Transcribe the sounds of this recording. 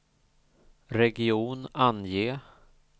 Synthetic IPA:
ɾɛɡɪuːnanjeː

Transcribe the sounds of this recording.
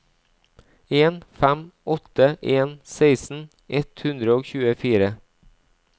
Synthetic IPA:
eːnfæmɔt̪əʔeːnseɪsn̩ | ʔɛt̪hʉnd̪ɾəoːçʉːəfiːɾə

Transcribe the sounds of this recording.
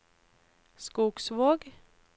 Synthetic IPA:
skuːksʋoːɡ

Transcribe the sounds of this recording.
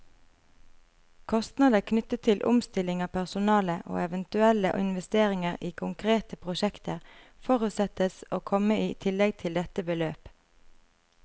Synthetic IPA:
kʰɔst̪nɑd̪əkʰnʏt̪ət̪ʰːɪlʔʊ̰mst̪ɪlɪŋɑːpʰæʁsʊnɑːləʔo̰ːɛʋənt̪ʉɛləʔɪ̰nʋɛst̪eːʁɪŋəʁiːkʰʊŋkʰʁeːt̪əpʰʁʊʃɛkt̪əʁ | fɔʁʉt̪sɛt̪əsoːkʰɔməiːt̪ʰɪlɛɡt̪ʰɪld̪ɛt̪əbəløːp

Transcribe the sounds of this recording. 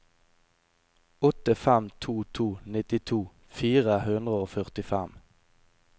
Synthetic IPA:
ɔt̪əfɛmt̪ʰuːt̪ʰuːnɪt̪ɪt̪ʰuː | fiːʁəhʉnd̪ʁəoːfœʁt̪ɪfɛm

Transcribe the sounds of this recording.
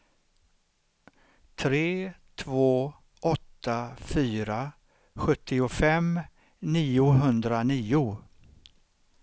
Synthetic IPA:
t̪ʰɾeːt̪ʰvoː | ʔɔt̪ːafyːɾa | ɧɵt̪ʰːɪʊfɛm | niːʊɦɵnd̪ɾaniːʊ

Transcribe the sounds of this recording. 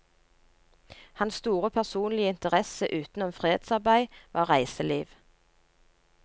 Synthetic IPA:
hɑnsst̪uːʁəpʰæʁsuːnlɪəɪnt̪əʁɛsəʔʉːt̪n̩ɔmfʁeːed̪sɑʁbæɪʋʔɑːʁæɪsəliːʋ

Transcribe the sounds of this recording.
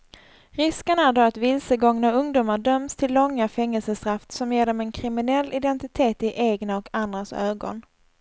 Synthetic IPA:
ɾɪskənæɖoːat̪vɪlsəɡɔŋnaɵŋd̪uːmaɖœmst̪ʰɪlːɔŋːafɛŋːəlsəsk̪ʰɾaft̪sɔmjeːɖɔmɛnkʰɾɪmɪnɛlːɪd̪ɛnt̪ɪt̪ʰeːt̪ɪʔeːɡnaɔkand̪ɾasøːɡɔ̰n

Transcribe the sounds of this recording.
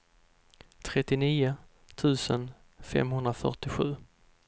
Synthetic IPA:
t̪ʰɾɛt̪ːɪniːʊ | t̪ʰʉ̟ːsən | fɛ̰mɦɵnd̪ɾafœ̰ʈɪɧʉ̟ː

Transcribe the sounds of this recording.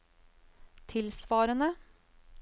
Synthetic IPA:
t̪ʰɪlsʋɑːɾənə

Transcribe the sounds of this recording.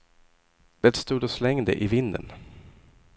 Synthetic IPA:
d̪̥ɛt̪st̪uːd̪ɔslɛŋd̪ə̰ʔɪvɪnd̪ə̰n

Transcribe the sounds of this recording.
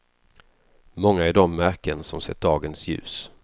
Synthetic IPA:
mɔŋːaæɾɖɔmːæɾkənsɔmsɛ̰t̪̚d̪ɑːɡənsjʉ̟̰ːs

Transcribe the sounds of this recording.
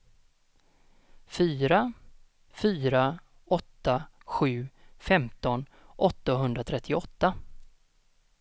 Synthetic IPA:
fyːɾa | fyːɾa | ɔt̪ːaɧʉ̟ːfɛmt̪ɔn | ʔɔt̪ːaɦɵnd̪ɾat̪ʰɾɛt̪ʰːɪɔt̪ːa

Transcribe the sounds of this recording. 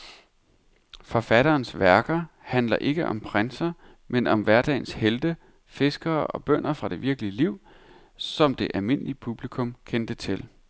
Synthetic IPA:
fɒ̽fæɾ̥ɐːnsʋæɐɡ̥ɐhænlɐ̰ʔe̝ɡ̥əʔɒ̽mpʰʁansɐ | menɒ̽mʋæɐd̥ɛ̰ɪnsheld̥ə | fe̝sɡ̥ɐːɒ̽b̥œn̰ɐfʁɑ̈d̥e̝ʋiɐɡ̥əliəliʊ̰ | sɒ̽md̥e̝ʔælme̝n̰əlipʰub̥likʰɔ̽mkʰend̥ət͡sʰe̝l

